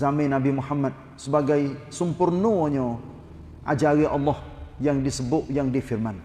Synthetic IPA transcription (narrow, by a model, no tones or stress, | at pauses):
zamɪnabimuhamːat̪̚ | səbaɡajsəmpʊrnoɲɔ | ʔad͡ʒaɾiʔɑlːɔhjaŋdisəbʊʔjaŋdifirman